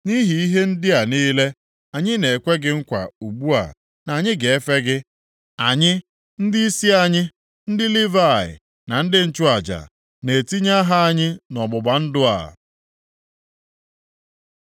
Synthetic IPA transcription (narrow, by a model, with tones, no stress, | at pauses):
ni˦ɦi˨i˦ɦe˦n̩˦dɪ˦a˨niː˦le˦ | a˨ɲɪ˦ne˨kʷe˦ɡɪ˦ŋ̩˦kʷa̰˨u˨ɡ͡bu˦a̰˨ | na˨ɲɪ˦ɡe˨e˦fe˦ɡɪ˦ | a˨ɲɪ˦ | n̩˦dɪ˦i˦si˦a˨ɲɪ˦ | n̩˦dɪ˦li˦va˦˨ɪ̰˨ | na˨n̩˦dɪ˦n̩˦t͡ʃʊ˦a˨d͡ʒa̰˨ | ne˨ti˦ɲa˦ɦa˦a˦ɲɪ˦nɔ˨ɡ͡bʊ˨ba˨n̩˦dʊ˦a̰˨